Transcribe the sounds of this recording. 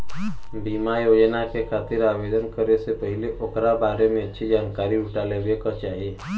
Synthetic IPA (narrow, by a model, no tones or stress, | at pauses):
bimajod͡ʒnakekʰat̪iɾabed̪ənkəɾesepəɦɪleʔokɾabaɾemẽətːʃʰid͡ʒaːnkaɾiuʈalebekat͡ʃaːɦie